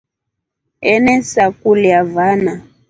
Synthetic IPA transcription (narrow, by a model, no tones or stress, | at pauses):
ɛnɛsakuliavana